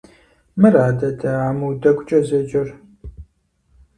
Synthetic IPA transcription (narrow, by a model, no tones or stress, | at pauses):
mɨɾaːdɐdʰɐaːmɨwdɐkʷʼʊt͡ʃʼɐzɐd͡ʒʼɪr